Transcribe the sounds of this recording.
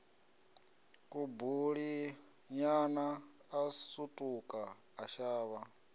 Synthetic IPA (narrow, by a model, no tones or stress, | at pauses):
kʼubuɺi | ɲanaː | sutʼukʼaː | ʃaːβa